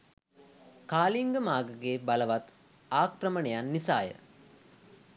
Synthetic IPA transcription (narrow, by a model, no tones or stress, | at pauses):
kaːliŋɡəmaːɡəɡeːbaləʋat̪ | aːkrəmənejanːisaːjə̰